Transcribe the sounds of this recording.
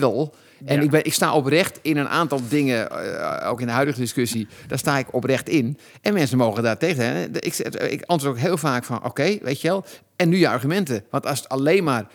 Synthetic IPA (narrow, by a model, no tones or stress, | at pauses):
ʋɪlˠ | ɛnɪk̚bɪʔɪksta̰ːʔoprɛxtɪnənʔa̰ːntɔlˠdɪŋə | o̰ːkɪndəɦœɥdəɣədɪskøsid̥ɔstaːɪkɔprɛxtɪn | ʔɛnmɛnsənmoːɣədatextɛɪkɪ̰kɑ̃ntʋoətokɦɪːlˠfaːkfɔnʔo̰kejʋḛːtjəʋɛlˠ | ɛnːyjəa̰rɣymɛntəʋɑntɔsətaleːnmaːr